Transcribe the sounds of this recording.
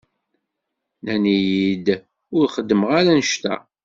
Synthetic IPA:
nænijid̪ | ʊɾχəd̪ːəməʁaɾænəʃt̪æ̰

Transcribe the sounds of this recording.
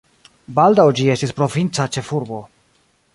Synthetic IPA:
bald̪awd͡ʒiestispɾo̞vint̪sat͡ʃe̞fuɾbo̞

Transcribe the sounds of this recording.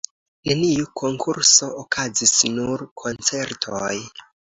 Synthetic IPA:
ne̞niukʰo̞ŋkʰuɾso̞okʰazisnuɾkʰo̞nt͡se̞ɾtʰoj

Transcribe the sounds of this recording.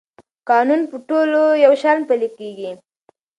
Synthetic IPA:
kɑnunpəʈolojawʃalnpəlekeɡi

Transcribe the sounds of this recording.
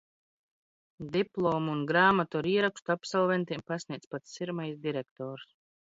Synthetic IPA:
d̪iplˠoːmuunɡɾaːmat̪ɔːɾiɛɾakst̪uapsalˠvɛnt̪iɛmpasnʲiɛt̪spat̪ssiɾmajsd̪iɾɛkt̪ɔːɾs

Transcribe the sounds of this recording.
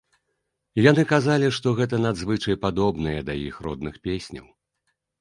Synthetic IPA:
janɨkazalʲiʂt̪ɔɣɛt̪̬ɐnad̪zvɨt͡ʂɐjpad̪ɔbnɨjɛd̪ajḭxrɔ̰d̪̚nɨxpʲesʲnʲɐ̰w

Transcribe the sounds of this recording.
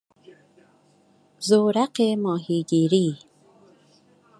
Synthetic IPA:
zoːɾaqemɔːɦiɡiɾi

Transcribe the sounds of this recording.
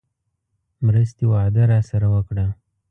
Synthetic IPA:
mɾəst̪ewɑd̪əɾɑsaɾawəkɽa

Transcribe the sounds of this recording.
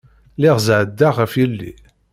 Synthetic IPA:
lɪʁzʕəd̪ːaʁəfjilːḭ

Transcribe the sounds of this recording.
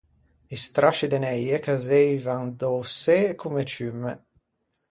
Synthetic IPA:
ist̪ɾaʃid̪enɛjekazɛjvand̪osɛkʰumet͡ʃymːə̰

